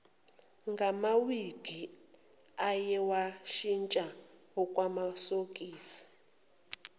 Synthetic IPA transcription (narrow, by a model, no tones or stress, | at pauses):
ŋɡʱamawiɡ̥ʱi | ajɛwaʃint͡ʃʼaɦɔkʼwamasokʼiːsi̥